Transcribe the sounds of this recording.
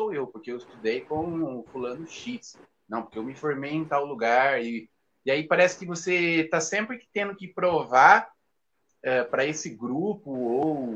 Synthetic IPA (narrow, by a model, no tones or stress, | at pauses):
owewpoɾkeewɪst̪ud̪ejkõfulɐ̃nʊʃis | nɐ̃poɾkeewmɪfoɾmejẽt̪awluɡaɾɪ | ɪaipaɾɛsɪ̥kɪvoset̪asẽmpɾɪkɪ̥t̪ẽnd̪ʊkɪpɾovaɾ | ɛpɾɐesɪɡɾupʊow